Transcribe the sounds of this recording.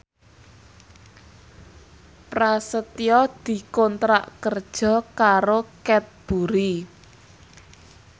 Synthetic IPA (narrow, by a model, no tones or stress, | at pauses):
pɾasət̪iɔd̪̥i̤kɔnt̪ɾa̰ʔkərd̥ʒ̥ɔ̤kaɾokɛt̪̚b̥ṳɾi